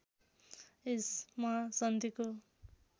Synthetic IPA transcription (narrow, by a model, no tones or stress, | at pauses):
esmasʌnd̪iko